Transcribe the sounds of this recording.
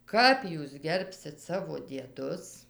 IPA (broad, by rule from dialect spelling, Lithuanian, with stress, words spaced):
ˈkɐp juːs ˈɡʲɛrʲpʲsʲɪt ˈsɑːʋoː dʲiɛˈdʊs